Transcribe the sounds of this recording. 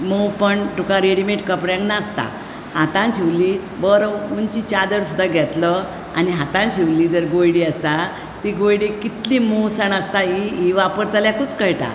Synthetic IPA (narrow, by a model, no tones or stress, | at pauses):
mupəɳʈukãɾeɽimeʈkəpɾãŋɡnast̪a̰ | hat̪ãnɕiʋli | bəɾʋunt͡ɕit͡ɕad̪əɾsud̪ʱaɡʱɛt̪lə | aniɦat̪ãnɕiʋliːd͡zəɾɡojɽiəst̪a | t̪iɡojɽikit̪limuʋsəɳ̃əst̪aɦiiʋapəɾt̪aljakut͡skəjʈa̰